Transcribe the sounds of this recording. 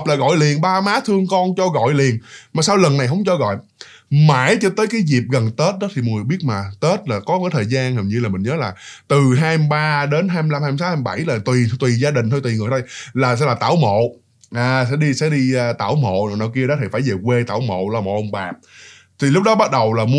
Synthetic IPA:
p̚laː˨˩ɣɔ̰˧˨jli˨˩ənɓaː˧maː˨˦t̪ʰɨ˧əŋkɔ˧nt͡ɕɔ˧ɣɔ̰˧˨jli˨˩ənmaː˨˩saː˧wlə˨˩nːa˨˩jɦə̰˧˦wŋ͡mt͡ɕɔ˧ɣɔ̰˧˨j | ma̰ː˧˥˩jt͡ɕɔ˧t̪əː˨˦jkaː˨˦jzi˨˩p̚ɣə˨˩nt̪e˦˥t̚ɗɔ˨˦t̪ʰi˨mɔ˨˩ŋɨ˨˩ɓi˦˥ət̚maː˨˩t̪e˦˥t̚laː˨˩kɔ˨˦kaː˨˦jt̪ʰəː˨˩jzaː˧nhə˨˩ɲɨ˧laː˨˩mï˨˩ŋ̟ɲəː˨˦laː˨˩t̪ɨ˨˩ɦaː˧jmɓaː˧ɗe˨˦nɦaː˧jmi˧la˧mhaː˧m˧saː˦haː˧m˧ɓa˧˩jlaː˨˩t̪wi˨˩t̪wi˨˩zaː˧ɗï˨˩ŋ̟t̪ʰo˧t̪wi˨˩ŋɨ˨˩t̪o˧jlaː˨˩sɛ̰˧˥laː˨˩t̪a̰ː˧˩wmo̰˧˨ | ʔaː˨˩sɛ̰˧˥ɗi˧sɛ̰˧˥ɗi˧t̪a̰ː˧˩wmo̰˧˨n˨˩na̰˧˩ki˧əɗɔ˨˦t̪ʰi˨˩faː˧˩jze˨˩kwe˧t̪a̰ː˧˩wmo̰˧˨lɔ˧mo̰˨˩ʔwŋ͡mɓaː˨˩p̚ | t̪ʰi˨˩lʊ˦˥k͡p̚ɗɔ˨˦ɓa˦˥t̚ɗə˨˩wlaː˨˩mu˧

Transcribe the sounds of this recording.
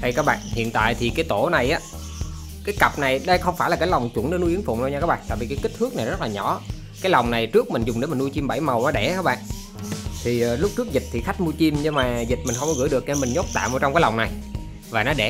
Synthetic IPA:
ɗə˧jkaː˦˥k̚ɓa̰ː˧˨nhḭ˧˨ənt̪a̰ː˧˨jt̪ʰi˨˩kaː˨˦jt̪o˧˩na˨˩jʔaː˨˦ | kaː˨˦jka˨˩p̚na˨˩jɗə˧jxə˧wŋ͡mfaː˧˩laː˨˩aː˨˦jla˨˩wŋ͡mt͡ɕʊ˨˧˩nɗe˧˦nu˧ʔi˨˦ənfṵ˧˨ŋ͡mno˧ɲaː˧kaː˦˥k̚ɓa̰ː˧˨t̪a̰ː˧˨vi˨˩kːki̟˦˥t̪ʰɨ˦˥ək̚na˨˩jzə˦˥t̚laː˨˩ɲɔ˧˩˦ | kaː˨˦jlɔ˨˩wŋ͡mna˨˩jt͡ɕɨ˦˥ək̚mï˨˩ŋ̟zʊ˨˩ŋ͡mɗe˨˦mï˨˩ŋu˧t͡ɕi˧mɓə˧˩jmə˨˩wnɔ˨˦ɗɛ˧˩kaː˦˥ɓa̰ː˧˨n | t̪ʰi˨˩˨lʊ˦˥k͡p̚t͡ɕɨ˦˥ək̚zi˨˩t̚t̪ʰi˨˩xa˦˥k̟̚mu˧t͡ɕi˧mɲɨ˧maː˨˩zi˨˩t̚mï˨˩ŋ̟xə˧wŋ͡mkɔ˨˦ɣɨ̰˧˥˦jɗɨ˨˩əkna˧˩mï˨˩ŋɲo˦˥t̚t̪a̰ː˧˨mo˨˩t͡ɕɔ˧wŋ͡mkaː˨˦la˨˩wŋ͡mna˨˩j | vaː˨˩nɔ˨˦ɗɛ˧˩

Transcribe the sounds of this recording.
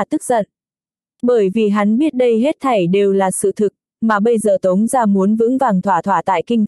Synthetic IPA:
t̪ɨ˦˥k̚zə˧˨˩t̚ | ɓəː˧˩jvi˨˩ɦa˨˦nɓi˦˥ət̚ɗə˧jɦe˦˥t̚t̪ʰa˨˩jɗe˨˩wlaː˨˩sɨ̰˧˨t̪ʰɨ˨˩k̚ | maː˨˩ɓə˧jzəː˨˩t̪ə˨˦wŋ͡mzaː˧mu˨˦ənvɨ̰˧˥ŋvaː˨˩nt̪ʰwaː˧˩t̪ʰwaː˧˩t̪a̰ː˧˨jkï˧ŋt̪

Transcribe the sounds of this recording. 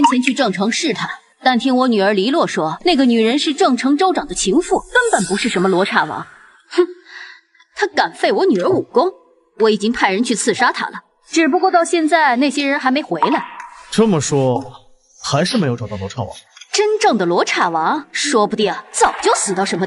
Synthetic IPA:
ɛ˥nt͡ɕʰjɛ˧˥nt͡ɕʰy˥˧ʈ͡ʂɤ˥˩ŋʈ͡ʂʰɤ˧˥ŋʂɻ̩˥˩t̪ʰa˥ | t̪a˥˩nt̪ʰi˥ŋwɔ˧˥ny˨˩ə˞˧˥li˧˥lwɔ˥˩ʂwɔ˥na˥˩ɡə˩ny˨˩ɻə˧˥nʂɻ̩˥˧ʈ͡ʂɤ˥˩ŋʈ͡ʂʰɤ˧˥ŋʈ͡ʂo˥ʊʈ͡ʂɑ˨˩ŋd̪ə˦t͡ɕʰi˧˥ŋfu˥˩kə˥npə˨˩npu˧˥ʂɻ̩˥˩ʂə˧˥nmə˧lwɔ˧˥ʈ͡ʂʰa˥˩wɑ̰˧˥ŋ˥˩ | t̪ʰa˥ka˨˩nfe˥˩ɪwɔ˧˥ny˨˩ə˞˧˥u˨˩kʊ˥ŋ | wɔ˧˥i˨˩t͡ɕi˥ŋpʰa˥˩ɪɻə˧˥nt͡ɕʰy˥˧t͡sʰɹ̩˥˩ʂa˥t̪ʰa̰˥lə˨˩ | ʈ͡ʂɻ̩˨˩p̬u˧kwɔ˥˧t̪ɑ˥˧ʊɕjɛ˥˧nt͡sa˥˩˧ɪne˥˩ɪɕjɛ˥ɻə˧˥nxa˧˥ɪme˧˥ɪxwe˧˥ɪlə˥˧ʈ͡ʂə˥˧mə˩ʂwɔ˥ | xa˧˥ɪʂɻ̩˥˩me˥ɪjo˧˥ʊʈ͡ʂt̪ɑ˥˩lwɔ˧˥ʈ͡ʂʰa̰˥˩wɑ̰˧˥˦ŋʈ͡ʂə˥nʈ͡ʂɤ˥˩ŋd̪ə˩lwɔ˧˥ʈ͡ʂʰa˥˩wɑ˧˥ŋʂwɔ˥pu˧˥t̪jɛ˥˩t͡sɑ˨˩ʊt͡ɕjo˥˩ʊsɹ̩˨˩t̪ɑ˥˩ʊʂə˧˥nmə˧

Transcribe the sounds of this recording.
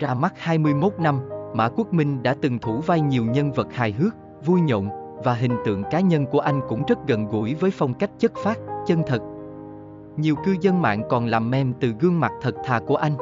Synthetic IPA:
t͡ɕaː˧ma˦˥t̚haː˧jmɨ˧əjmo˦˥t̚na˧mma̰ː˧˥ku˦˥ək̚mï˧ŋ̟ɗa̰ː˧˥t̪ɨ˨˩ŋt̪ʰu˧˩va˧jɲi˨˩əwɲə˧nvə˨˩t̚haː˨˩jɦɨ˦˥ək̚ | vu˧jɲo̰˧˨ŋ͡mvaː˨˩ɦï˨˩ŋ̟t̪ɨ̰˧˨əŋkaː˨˦ɲə˧nku˧˩əʔa˧jŋ̟kʊ̰˧˥ŋ͡mzə˦˥t̚ɣə˧˨nɣṵ˧˩jvəː˨˦jfa˧wŋ͡mka˦˥jk̟̚t͡ɕə˦˥t̚faː˦˥t̚t͡ɕə˧nt̪ʰə˨˩t̚ | ɲi˨˩əwkɨ˧zə˧nma̰ː˧˨ŋkɔ˨˩nlaː˨˩mːɛ˧mt̪ɨ˨˩ɣɨ˧əŋma˨˩t̚t̪ʰə˨˩t̚t̪ʰaː˨˩ku˧˩əʔa˧jŋ̟

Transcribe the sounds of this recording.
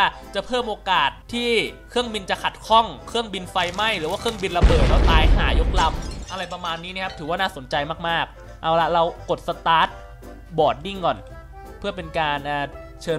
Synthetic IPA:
t͡ɕa˨˩pʰɤː˥˩mʔoː˧kaː˨˩t̪ʰːiː˥˩kʰɯ˥˩əŋbi˧nt͡ɕa˨˩kʰa˨˩t̪̚kʰɔ˥˩ŋkʰɯ˥˩əŋbi˧nfa˧jma˥˩jɾɯː˩˦waː˥˩ɯ˥˩əŋbi˧nla˧bɤː˨˩t̪̚lɛ˦˥˩t̪aː˧jɦaː˩˦jo˦˥k̚la˧mʔa˧ɾa˧jpɾa˧maː˧nːi˦˥ni˥˩kʰa˦˥t̪ʰɯː˩˦waː˥˩naː˥˩so˩˦nt͡ɕa˧jmaː˥˩k̚maː˥˩k̚ | ʔa˧wla˦˥ɾa˧wko˨˩t̪̚sa˧t̪aː˦˥t̪̚ | bɔː˨˩t̪̚di˥˩ŋkɔː˨˩n | pʰɯ˥˩ɐpe˧nkaː˧nʔaː˧˩ | t͡ɕʰɤː˧

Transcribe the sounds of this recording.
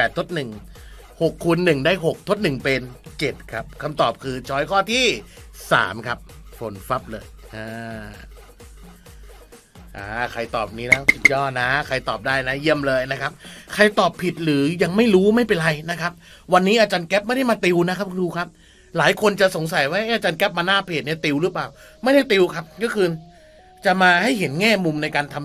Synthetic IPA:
pɛː˨˩t̪̚ʰːo˦˥t̪̚nɯ˨˩ŋ | ho˨˩kʰːu˧nːɯ˨˩ŋdaː˥˩jɦo˨˩k̚t̪ʰo˦˥t̪̚nɯ˨˩ŋpe˧nt͡ɕe˨˩t̪̚kʰa˦˥p̚kʰa˧mt̪ɔː˨˩p̚kʰɯː˧t͡ɕʰɔː˦˥jkʰɔː˥˩t̪ʰiː˥˩sa̰ː˩˦mkʰa˦˥p̚fo˩˦nfa˦˥p̚lɤː˧jʔaː˧ | ʔaː˩˧˩kʰa˧jt̪ɔː˨˩p̚niː˦˥laː˦˥su˨˩t̪̚jɔː˥˩t̪̚na˦˥kʰa˧jt̪ɔː˨˩p̚daː˥˩jna˦˥ji˥˩əmlɤː˧jna˦˥kʰa˦˥p̚kʰa˧jt̪ɔː˨˩pʰːi˨˩t̪̚ɾɯː˩˦ja˧ŋma˥˩jɾuː˦˥ma˥˩jpe˧nɾa˧jna˦˥kʰa˦˥p̚ | wa˧nːiː˦˥ʔaː˧t͡ɕaː˧nkɛ˦˥p̚ma˥˩jda˥˩jmaː˧t̪i˧wna˦˥kʰa˦˥p̚kuː˧kʰa˦˥p̚ | laː˩˦jkʰo˧nt͡ɕa˨˩ʔso˩˦ŋsa˨˦jwaː˦˥˩ʔa˥˩jaː˧t͡ɕaː˧nkɛ˦˥p̚maː˧naː˥˩pʰeː˨˩t̪̚ni˥˩t̪i˧wɾɯ˦˥plaː˨˩w | ma˥˩jda˥˩jt̪i˧wkʰa˦˥p̚kɔː˥˩kʰɯː˧n | t͡ɕa˨˩ʔmaː˧ha˥˩jɦe˩˦nŋɛː˥˩mu˧mna˧jkaː˧nt̪ʰa˧m

